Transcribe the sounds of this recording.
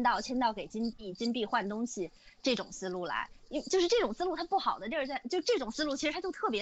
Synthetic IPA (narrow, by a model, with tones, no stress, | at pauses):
nt̪ɑ˥˩ʊt͡ɕʰjɛ˥nt̪ɑ˥˩ʊke˨˩ɪt͡ɕi˥npi˥˩t͡ɕi˥npi˥˧xwa˥˩nt̪ʊ˥ŋɕi˨ | ʈ͡ʂɤ˥˩ʈ͡ʂʊ̰˨˩ŋsɹ̩˥lu˥˩la̰˧˥ɪ˥t͡ɕo˥˧ʂɻ̩˥˧ʈ͡ʂɤ˥˩ʈ͡ʂʊ˨˩ŋsɹ̩˥lu˥˩t̪ʰa˥pu˥˩xɑ˨˩ʊd̪ə˦n˥˧t͡sa˥˧t͡ɕjʊ˥ʈ͡ʂɤ˥˩ʈ͡ʂʊ˨˩ŋsɹ̩˥lu˥˩t͡ɕʰi˧˥ʂɻ̩ʰ˧˥a˥jo˥˧ʊt̪ʰɤ˥˩pjɛ˧˥